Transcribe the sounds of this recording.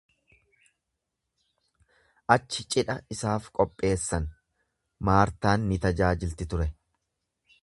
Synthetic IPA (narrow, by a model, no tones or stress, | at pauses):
ʔɐt͡ʃːɪt͡ʃʼɪᶑɐɪsaːfkʼɔpʼːe̞ːsːɐn | maːɾt̪aːnːɪt̪ɐd͡ʒaːd͡ʒɪlt̪ɪt̪ʊɾɛ